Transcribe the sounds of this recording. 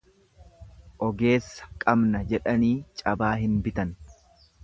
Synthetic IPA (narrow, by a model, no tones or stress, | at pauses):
ʔɔɡe̞ːsːɐ̥kʼɐbnɐd͡ʒɛᶑɐniːt͡ʃʼɐbaːɦɪnbɪt̪ɐn